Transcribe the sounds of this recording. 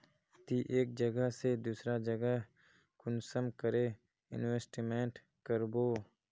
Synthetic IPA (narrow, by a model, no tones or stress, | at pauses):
t̪iʔeːk̚d͡ʒəɡəɦsed̪uːsɾad͡ʒəɡəɦ | kʊnsəmkəɾe | ɪ̰nweːsʈimẽːɳʈ | kəɾboː